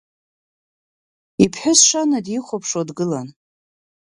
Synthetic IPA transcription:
ipʰħʊsʂanadiχʷopʰʂodɡɨlan

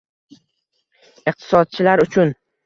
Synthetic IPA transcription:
ɪq̚t̪ʰɪ̥sɒd̪̚t͡ʃʰɪlaɾʊt͡ʃʰʊn

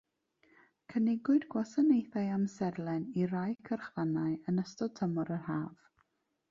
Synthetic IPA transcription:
kʰənɪɡʊɨdɡwasanejθaɨamsɛrlˠɛnirajkʰərχvanaɨənəstɔd̚tʰəmɔɾərhaːv̥

